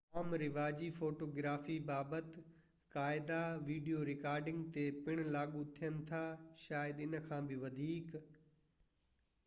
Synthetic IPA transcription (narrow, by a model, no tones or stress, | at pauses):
aːmɾɪʋaːd͡ʑifoːʈoːɡɾaːfibaːbət̪ | kaːɪd̪aʋiːɖijoːɾɪkaːɾɖɪ̃ŋɡt̪epɪɽ̃laːɠut̪ʰijənɪ̆t̪ʰaʃaːjəd̪ɪnə̆kʰãːbʱɪʋɐd̪ʱiːk